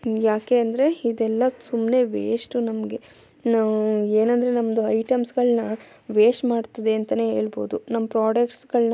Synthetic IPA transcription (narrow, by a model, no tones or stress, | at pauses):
jaːke̞ɐnd̪ɐɾe̞id̪ɛlːɐsumne̞ʋeːʂʈunɐmɐɡe̞ | naeːnɐnd̪ɐɾe̞nɐmɐd̪uɐjʈɐmsɡɐɭnɐ | ʋeːʂmaːɖt̪ɐd̪eɐnt̪ɐne̞ːɦeːɭbo̞̰ːd̪unɐmːɐpɾaːɖɐkʈsɡɐɭnɐ